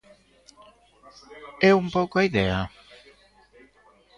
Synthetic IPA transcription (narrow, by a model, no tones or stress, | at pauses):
ɛumpowkoaiðɛa